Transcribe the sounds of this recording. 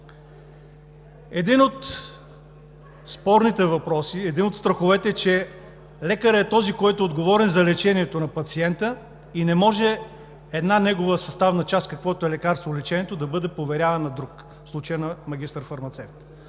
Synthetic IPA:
ɛd̪inot̪ | spɔɾnit̪ɛvɐpɾɔsiɛd̪inot̪st̪ɾəxovɛt̪ɛt͡ʃɛ | lɛkəɾəɛt̪ɔzikɔjt̪ʊɛod̪ɡovɔɾɛnzɐlɛt͡ʃɛniɛt̪onɐpɐt̪siɛnt̪ə | inɛmɔʒɛ | ɛd̪nanɛɡovəsɐst̪avnɐt͡ʃaskɐkvɔt̪oɛlɛkaɾst̪volɛt͡ʃɛniɛt̪od̪ɐbɤd̪ɛpovɛɾʲjavɐnɐd̪ɾuk | fslˠut͡ʃəjənɐmɐɡʲist̪əɾfɐɾmɐt̪sɛft̪

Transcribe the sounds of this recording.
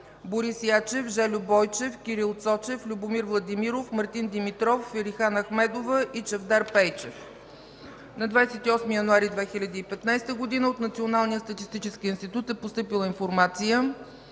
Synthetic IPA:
boɾisjat͡ʃɛfʒɛlʲʊbɔjt͡ʃɛfkʲiɾilˠt̪sɔt͡ʃɛflʲubomiɾvlˠɐd̪imiɾofmɐɾt̪ind̪imit̪ɾɔfːiɾixanɐxmɛd̪ovəʔit͡ʃɐvd̪aɾpɛjt͡ʃɛf | nɐd̪vajsɛt̪iɔsmijɐnuaɾid̪vɛxilʲɐd̪iːpɛt̪najst̪əɡod̪inəot̪nɐt̪sionalˠnijətst̪ət̪ist̪it͡ʃɛsk̟iinst̪it̪ut̪ɛpost̪ɤpilˠəinfoɾmat̪sijə

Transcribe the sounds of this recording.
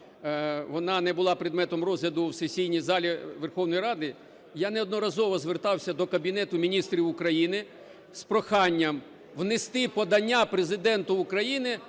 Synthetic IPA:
ʋɔnɑnɛbʊlˠɑpɾʲɪd̪mɛt̪ɔmrɔzlʲɐd̪ʊwsesʲijnʲijzɑlʲiʋerxɔwnɔjɾɑd̪ɪ | janɛɔd̪nɔɾɐzɔʋɔzʋert̪ɑwsʲɐd̪ɔkɐbʲinɛt̪ʊmʲinʲist̪ɾʲiwʊkɾɐjinɪ | spɾɔxɑnʲːɐm | ʋnɪst̪ɪpɔd̪ɐnʲːapɾezɪd̪ɛnt̪ʊʊkɾɐjinɪ

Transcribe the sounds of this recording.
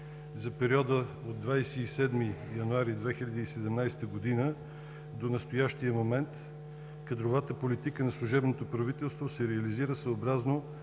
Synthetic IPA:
zɐpɛɾiɔd̪ə | od̪ːvajsɛːsɛd̪mijɐnuaɾid̪vɛxilʲɐd̪iːsɛd̪ɛmnajst̪əɡod̪inə | d̪onɐst̪ojaʃt̪ijəmomɛnt̪ | kɐd̪ɾovat̪əpolit̪ikənɐslˠuʒɛbnot̪opɾɐvit̪ɛlˠst̪vosɛɾɛɐliziɾəsəobɾazno

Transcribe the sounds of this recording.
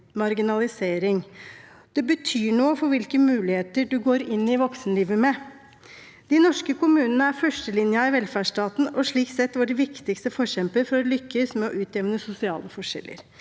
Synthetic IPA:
mɑɾɡɪnɑlɪseːɾɪŋ | d̪̥ɛbət̪ʰyːɳoːfɔɾʋɪlkəmʉːlɪheːt̪əɖʉɡoːɾɪnːɪʋɔksnliːʋəmɛ | d̪̥ɪnɔʂkəkʊmʉːnənəæɾfœʂʈəlɪnjəɪʋɛlfæːʂʈɑːt̪n̩ɔʂɭiːksɛt̪ːʋʊɖɛʋɪkt̪ɪkst̪əfɔɾçɛmpəɾfɔɾɔlʏkːəsmɛɔʔʉːt̪jɛʋnəsʊsɪɑ̰ːləfɔʂɛ̰lːə̰ɾ

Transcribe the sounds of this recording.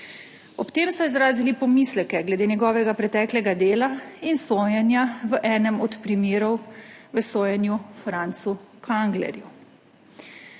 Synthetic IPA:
ɔpt̪eːmsɔizɾaːzilipɔmislɛkɛɡlɛd̪eːnɛɡɔːʋɛɡapɾɛt̪ɛːklɛɡad̪eːlainsoːjɛnjaʋəʔɛːnɛmɔt̪pɾimeːɾɔwʋəsoːjɛnjufɾaːnt̪sukʰaŋɡlɛ̰ɾju

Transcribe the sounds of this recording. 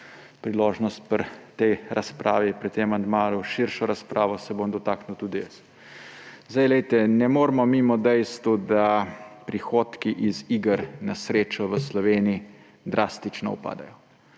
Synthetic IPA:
pɾiloːʒnɔst̪̚pəɾt̪ɛjɾaspɾʔa̰ːʋipɾit̪ːemand̪maːluʃiɾʃɔɾaspɾʔaːʋɔsɛbomd̪ɔt̪aːknuwt̪uːd̪ijɛs | zd̪ajlɛjt̪ɛnɛmoːɾmɔmimɔd̪ɛjst̪ʋud̪apɾixoːt̪kiʔiziɡəɾnasɾeːt͡ʃɔʋəslɔʋeːnii | d̪ɾaːst̪it͡ʃnɔṵpa̰ːd̪a̰jɔ

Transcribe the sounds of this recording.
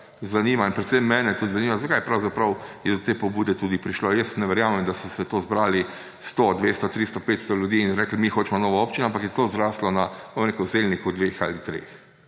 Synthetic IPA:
zaniːmainpɾɛt̪semːɛːnɛt̪uːd̪zaniːmazakajpɾawzapɾɐwjɛd̪ɔt̪eːpɔbuːd̪ɛt̪uːd̪ipɾiʃlojɛsnɛʋɛɾjaːmɛmd̪asɔsɛt̪ozbɾaːli | st̪od̪ʋeːst̪ɔt̪ɾist̪ɔpeːt̪st̪ɔljud̪iːnɾɛklmixoːt͡ʃmɔnoːʋaoːpt͡ʃinoampɐakjɛt̪ozɾaslɔnabomɾeːkəzelnikud̪ʋexa̰lit̪ɾḛx

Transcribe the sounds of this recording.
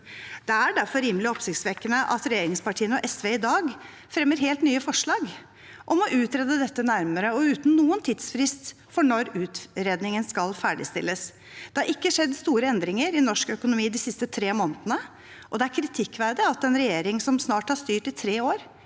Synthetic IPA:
d̪̥ɛæɖæɾfɔɾiːmlɪɔpsɪkt̪sʋɛkːənəʔɑt̪ɾɛjeːɾɪŋspɑʈʰiːənɔʔɛsʋeːɪd̪ɑːɡ | fɾɛmːəɾɦeːlt̪nyːəfɔʂɭɑːɡ | ʔɔmɔʔʉːt̪ɾɛːd̪əd̪ɛt̪ːənæɾməɾəɔʉːt̪n̩nːuːənt̪ʰiːd̪sfɾɪst̪ | fɔɳɔɾʉːt̪ɾeːd̪nɪŋənskɑlfæːɖɪ̰st̪ɪ̰lːəs | d̪̥ɛhɑɾʔɪkːəʂɛd̪ːst̪uːɾəɛnd̪ɾɪŋəɾɪnɔʂkœkʊnʊmiːd̪ɪsɪst̪ət̪ʰɾeːmoːnət̪ənə | ʔɔd̪ɛæɾkʰɾɪt̪ʰɪkːʋæɾd̪ɪɑt̪ɛnɾɛjeːɾɪŋsɔmsnɑːʈhɑʂt̪yːʈɪt̪ʰɾeːoːɾ

